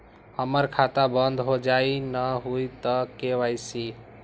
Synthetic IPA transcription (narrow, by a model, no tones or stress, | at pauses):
həməɾkʰat̪abənd̪ʱɦod͡ʒainəɦujt̪əkeʋajsi